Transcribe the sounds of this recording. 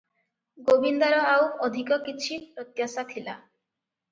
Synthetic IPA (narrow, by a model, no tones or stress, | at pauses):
ɡobind̪aɾɔawɔd̪ʱikɔkit͡ʃʰipɾɔt̪jasat̪ʰila̰